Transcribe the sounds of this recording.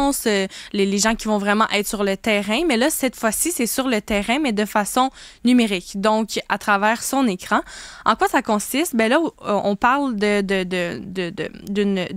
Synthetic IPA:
søleleʒɑ̃kʲivɔ̃vʁɛmɑ̃ʔɛːt̪χsyʁlət̪ɛːʁɛ̃mɛlʌsɛt̪fwasisɛsyʁlət̪ɛːʁɛ̃mɛd̪əfasɔ̃nymeʁɪkd̪ɔ̃kat̪χavɛːʁsɔ̃nekʁɑ̃ɑ̃kwasakɔ̃sɪst̪̚bɛ̃lʌuʔɔ̰̃paʁld̪əd̪əd̪əd̪əd̪əd̪yn

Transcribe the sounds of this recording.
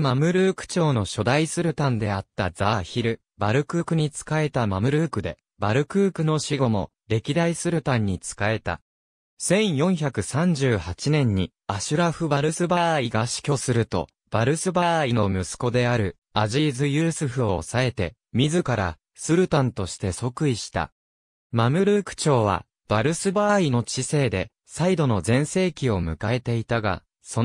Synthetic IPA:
mamɯ̟ɾɯ̟ːkɯ̟̥t͡ɕo̞ːno̞ɕo̞d̪aisɨɾɯ̟t̪ãnd̪e̞at̪ːad͡zaːçiɾɯ̟ | baɾɯ̟kɯ̟ːkɯ̟ɲ̟it͡sɨ̥kae̞t̪amamɯ̟ɾɯ̟ːkɯ̟d̪e̞ | baɾɯ̟kɯːkɯ̟no̞ɕiɡo̞mo̞̰ | ɾe̞kʲid̪aisɨɾɯ̟t̪ãɲ̟ːit͡sɨ̥kae̞t̪a̰ | sẽ̞ɰ̃jõ̞ɰ̃çakɯ̟sãɲ̟d͡ʑɨːhat͡ɕinẽ̞ɲ̟ːi | aɕiɾaɸɯ̟baɾɯ̟sɨbaiɡaɕi̥kʲo̞sɨɾɯ̟t̪o̞̰ | b̥aɾɯ̟sɨbaino̞mɯ̟sɨ̥ko̞d̪e̞aɾɯ̟ | aʑiːzɨjɯːsɨɸɯ̟o̞sae̞t̪e̞ | mʲizɨkaɾa̰ | sɨɾɯ̟t̪ãnt̪o̞ɕi̥t̪e̞so̞kɯ̟iɕi̥t̪a̰ | mamɯ̟ɾɯ̟ːkɯ̟̥t͡ɕo̞ːβ̞a̰ | b̥aɾɯ̟sɨbaːino̞t͡ɕise̞ːd̪e̞ | said̪o̞no̞zẽ̞ɰ̃se̞ːkʲio̞mɯ̟kae̞t̪e̞it̪aɡa̰ | so̞

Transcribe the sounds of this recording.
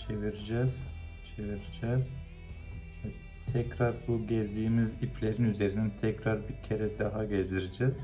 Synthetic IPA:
t͡ʃʰeviɾid͡ʒɛzt͡ʃʰeviɾid͡ʒɛz̥ | vɛ | t̪ʰɛcɾaɾbuɟɛzd̪ijːmizipʰlʲe̞ɾinyze̞ɾind̪ɛnt̪ʰɛcɾaɾbicʰeɾɛd̪aɦaɟezd̪iɾid͡ʒɛz̥

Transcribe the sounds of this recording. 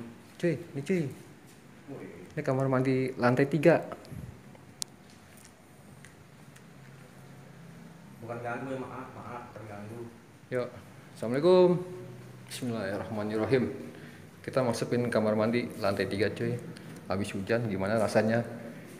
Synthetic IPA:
t͡ʃuinit͡ʃuj | nikamarmandilant̪ajt̪iɡaʔ | bukanɡaŋɡuamaʔamaʔabukanɡaŋɡu | jasamalakum | ismilaɾɔhmaniɾɔɦɪm | kit̪amaksʊpɪnkamarmandilant̪ajt̪iɡat͡ʃuj | abɪsud͡ʒanɡimanaɾasaɲa

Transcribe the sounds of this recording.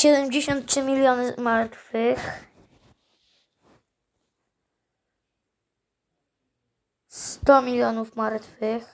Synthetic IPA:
ɕɛd̪ɛmd͡ʑeɕɔnt̪̚tʂɘmʲilʲjɔnɘmaɾt̪fɘx | st̪ɔmʲilʲjɔnufmaɾt̪fɘx

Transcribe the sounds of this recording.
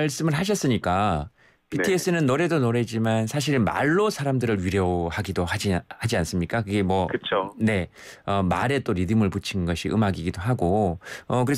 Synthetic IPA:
aɭs͈ɯmɯɭɦaɕ̬ʰʌs͈ɯɲik͈a | pitʰies͈ɯnɯnːʌɾe̞donoɾe̞d͡ʑimansʰaɕ̬ʰiɭma̰ɭːosʰaɾamdɯɾɯɭɥiɾjʌhaɡidohad͡ʑihad͡ʑians͈ɯmɲik͈akɯɡe̞mwʌkɯt͡ɕʰone̞ʌma̰ɾe̞t͈oɾidɯmɯɭput͡ɕʰinɡʌɕʰiʔɯ̰maɡiɡidoɦaɡoʌk̬ɯɾe

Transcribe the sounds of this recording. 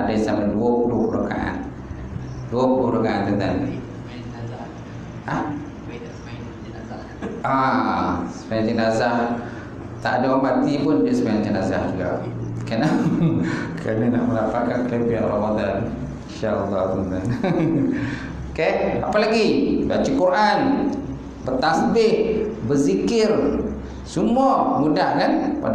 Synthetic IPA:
adasamaduapuluhkɾoka̰ʔa̰n | duapulukɾakaʔant̪ənt̪an | a | a | sə̥pajaŋd͡ʒənazah | t̪a̰ʔadamambat̪̚nipʊndəʔsəpajaŋd͡ʒənazahd͡ʒuɡa̰ʔkana | kananaʔmənapaʔkankəlabiaʔramad̪an | inʃaʔalˠːɑhbund̪an | okeapalaɡiba̰ʔt͡ʃukoʔan | bərt̪asbɪhbərzikɪr | sumuamudahɡanpa̰d

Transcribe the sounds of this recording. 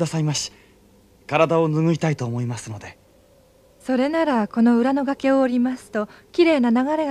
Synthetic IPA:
d̪asaimaɕi̥ | kaɾad̪ao̞nɯŋɯ̟it̪ait̪o̞ːmo̞imasɨno̞d̪e̞ | so̞ɾe̞naɾako̞no̞ɯ̟ɾano̞ɡake̞oːɾʲimasɨ̥t̪o̞kʲiɾe̞ːnanaɣaɾe̞ɡ

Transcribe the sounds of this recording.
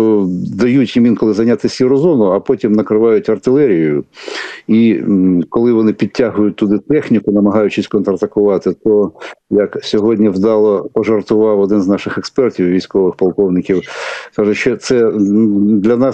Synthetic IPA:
d̪ɐjutʲimʲinkɔlˠɪzɐnʲat̪ɪsʲjʲiɾɔzɔnʊɐpɔtʲimnɐkɾɪʋɑjʊtʲɐrt̪ɪlˠɛɾʲiijʊ | ikɔlˠɪʋɔnɪpʲid̪̚ʲtʲːaɦʊjʊt̚ʲt̪ʊd̪ɪt̪ɛxnʲikʊnɐmɐɦɑjʊt͡ʃɪsʲkɔnt̪ɾɐt̪ɐkʊʋɑt̪ɪt̪ɔjɐksʲɔɦɔdʲnʲiwd̪ɑlˠɔpɔʒert̪ʊʋɑwɔd̪ɪnznɑʃɪxekspɛrtʲiwʋʲijsʲkɔʋɪxpɐlˠkɔwnɪkʲiwkɑʒʊʃɔt̪sɛ | d̪lʲɐnɑ

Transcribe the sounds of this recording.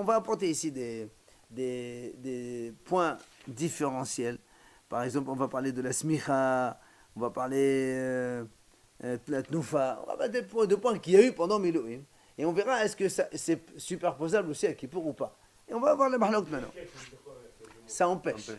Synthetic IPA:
ɔ̃vaːpɔʁt̪eisid̪e | d̪ed̪epwɛ̃d̪ifeʁɑ̃sjɛl | paʁɛɡzɑ̃plɔ̃vapaʁled̪əlasmiχa | ɔ̃vapaʁleø | lat̪nufaɔ̰̃va̰paed̪epwɛ̃d̪əpwɛ̃kilaypɑ̃d̪ɑ̃miloim | eɔ̃veʁaɛskəsasɛsypɛʁpozablosiakʲipuʁupa | eɔ̃vaːvwaʁlemaxlɔkt̪mɛ̃nːɑ̰̃ | saɑ̃pɛʃ

